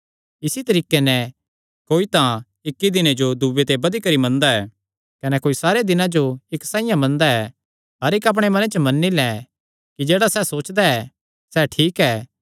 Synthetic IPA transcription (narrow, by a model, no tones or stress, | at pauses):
ɪsit̪ɐɾiːkenɛ | koːit̪ã | ɪkːid̪ɪned͡ʒod̪ubet̪ebɐd̪ikɐɾimɐ̃nd̪aɛː | kɐnɛkoːisaːɾed̪ɪnãd͡ʒoɪksãːɪ̃jãmɐ̃nd̪aɛː | ɦɐɾɪkɐp̬ɽ̃emɐnet͡ʃəmɐnːilɛ | kid͡ʒeːɽasɛsoːt͡ʃd̪aɛ | sɛːʈʰiːkɛː